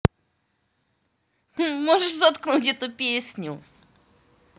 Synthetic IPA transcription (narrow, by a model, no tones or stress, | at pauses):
mɔʐɛʐzɔt̪knɔ̃wt͡ɕjɛt̪ɔpʲjɛsʲɲu